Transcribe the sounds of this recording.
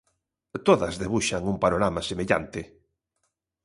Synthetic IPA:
t̪oðɐzðeβ̞uʃaŋumpanoɾamasemeʎa̰nt̪ɪ

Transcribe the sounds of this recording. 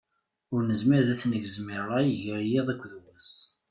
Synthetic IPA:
ʊɾnəzmɪɾðæθnəɡzmiɾːajəʝəɾjeðˤækʷːðwæs

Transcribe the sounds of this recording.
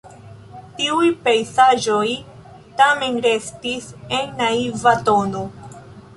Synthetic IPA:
tiujpejsaʒo̞j | tame̞nɾe̞stise̞nːaivato̞no̞

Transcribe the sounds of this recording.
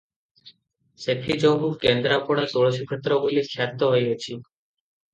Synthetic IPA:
set̪ʰid͡ʒɔbukend̪ɾapɔɽ̃at̪oɭɔʃikʰet̪ɾɔbulikʰjat̪ːɔɦojet͡ʃʰi

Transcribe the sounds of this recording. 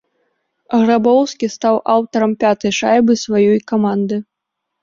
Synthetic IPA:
ɣrabɔwskʲist̪awʔawt̪ɐɾɐmpʲat̪ɐjʂajbɨsvajɔjkamand̪ɨ

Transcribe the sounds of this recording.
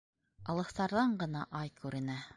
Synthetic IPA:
ɑlˠɤ̆θt̪ɑɾðɑɴɢɤ̆nɑʔɑjkʉɾɘ̆næ

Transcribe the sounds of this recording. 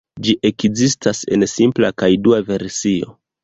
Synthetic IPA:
d͡ʒiʔe̞kzistase̞nsimplakajduave̞ɾsio̞̰

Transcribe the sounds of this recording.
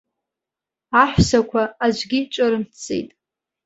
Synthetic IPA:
aħʷsakʷʰaːd͡ʒʷɡʲit͡ʃʷʼaɾɨmt͡sʼḛjtʼ

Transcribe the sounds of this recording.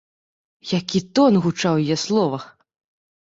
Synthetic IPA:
jakʲit̪ɔnɣut͡ʂawjjɛslˠɔvɐx

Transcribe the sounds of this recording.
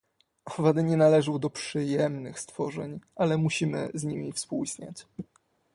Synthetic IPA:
ɔvad̪ɘɲɛnalɛʐɘwd̪ɔpʂɘjɛmnɘxst̪fɔʐɛɲʔalɛmuɕimɘ̰zɲimʲifspuwisɲa̰t͡ɕ

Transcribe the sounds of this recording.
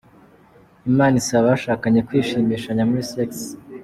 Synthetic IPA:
imaːnisaβaaʃaːkaɲe̞kwiːʃiːmiːʃaɲamuɾiseks

